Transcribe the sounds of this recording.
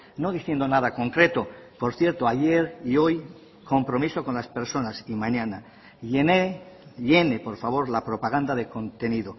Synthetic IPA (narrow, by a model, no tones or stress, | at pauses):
no̞ðiθje̞nd̪o̞naðako̞ŋkɾe̞t̪o̞po̞ɾθje̞ɾt̪oaʝe̞ɾio̞j | ko̞mpɾo̞miso̞ko̞nlaspe̞ɾso̞nasimãɲãna | eeʎe̞nepo̞ɾfaβ̞o̞ɾlapɾopaɣand̪aðe̞ko̞nt̪e̞niðo̞